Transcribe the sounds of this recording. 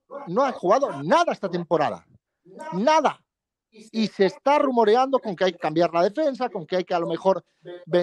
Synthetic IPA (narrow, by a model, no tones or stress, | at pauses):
noaxuɣaðonaðaest̪at̪e̞mpo̞ɾa̰ða̰ | naða | ise̞ːst̪arumo̞ɾeand̪o̞ko̞ŋkeajke̞̥kambjaɾlað̞e̞fe̞ns̬ako̞ŋkeajke̞alo̞me̞xo̞ɾ | be